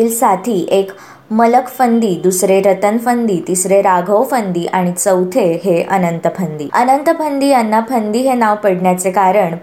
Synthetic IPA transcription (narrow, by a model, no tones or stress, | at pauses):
iːlsat̪ʰiːʔek | mələkfənd̪iːd̪usɾeɾət̪ənfənd̪iːt̪isɾeɾaɡʱəwfənd̪iːʔaɽ̃it͡səwt̪ʰeɦeə̰nənt̪əpʰənd̪ḭːə̰nənt̪əpʰənd̪iːanːapʰənd̪iːɦenaʋpəɽɳjat͡sekaɾəɳ